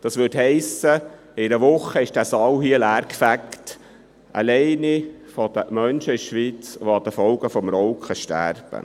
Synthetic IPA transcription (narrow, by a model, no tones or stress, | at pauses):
d̥ɑsʋʏthɛɪsə | ɪnəʋʊχːəɪʃd̥æːsɑwɦiəlæːrkfækt | ʔə̰lɛɪnifɔd̥̪əmœnʃəɪʃʋiːt͡sʋoɑd̥̪əfɔlɡəfɔmrɔʊkχəʃtæ̰rb̥ə̰